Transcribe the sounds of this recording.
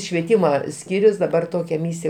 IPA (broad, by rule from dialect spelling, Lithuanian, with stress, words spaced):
ʃʲʋʲiɛˈtʲiːmɐ ˈsʲkʲiːrʲʊs dɐˈbɐr ˈtoːkʲɛ ˈmʲiːsʲɪjɛ